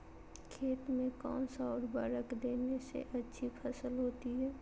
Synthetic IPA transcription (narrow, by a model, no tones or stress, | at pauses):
kʰeːt̪mẽkɔ̰̃ːnsaːɾbaːɾəkd̪eːnesḛʔɐtːʃʰipʰɐsəlɦoːt̪iɦɛː